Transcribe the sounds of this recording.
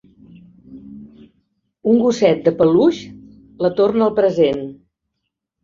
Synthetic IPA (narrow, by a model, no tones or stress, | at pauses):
uŋɡusɛt̪̚d̪əpəluʃ | lət̪ornəəlˠpɾəzen